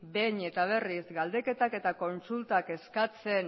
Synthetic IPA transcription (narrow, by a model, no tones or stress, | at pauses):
be̞ɲe̞t̪aβ̞e̞risɡald̪e̞ke̞t̪ake̞t̪ako̞nsult̪ake̞skat͡se̞n